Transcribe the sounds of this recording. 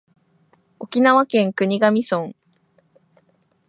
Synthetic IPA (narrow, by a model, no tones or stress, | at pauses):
o̞kʲinaβakẽ̞ŋkɯ̟ɲ̟iɡamʲisõŋ